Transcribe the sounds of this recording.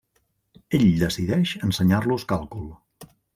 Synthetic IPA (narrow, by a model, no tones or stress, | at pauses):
eʎd̪əsiðɛʃənsəɲarluskalˠkulˠ